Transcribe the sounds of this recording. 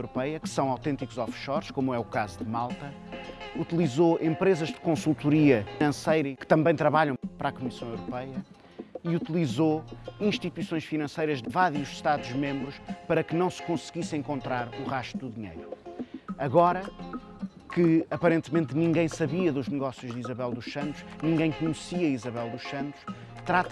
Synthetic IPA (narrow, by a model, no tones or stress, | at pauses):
wɾupɛjɐkɨ̥sɐ̃w̃awt̪ẽnt̪ikuzɔfʃɔɾʃkomuɛukazuðɨmalˠt̪ɐ | ut̪ilˠizoʔẽmpɾezɐʒd̪ɨkõsulˠt̪uɾiɐfinɐ̃sɐjɾɐkɨ̥t̪ɐ̃mbɐ̃j̃t̪ɾɐβaʎɐ̃w̃pɐɾakumisɐ̃w̃ewɾupɛjɐ | iut̪ilˠizoĩʃt̪it̪wisõj̃ʃfinɐ̃sɐjɾɐʒðɨvaɾjuʃʃt̪aðuʒmẽmbɾuʃpɐɾɐkɨnɐ̃w̃sɨ̥kõsɨɣisẽŋkõnt̪ɾaɾuʁaʃt̪ud̪uðiɲḛjɾu | ɐɣɔɾɐ | kʰɨɐpɐɾẽnt̪mẽnt̪nĩŋɡɐ̃j̃sɐβiɐðuʒnɨɣɔsjuʒðizɐβɛlˠd̪uʃɐ̃nt̪u̥ʃnĩŋɡɐ̃j̃kuɲsiɐizɐβɛlˠd̪uʃɐ̃nt̪u̥ʃ | t̪ɾat̪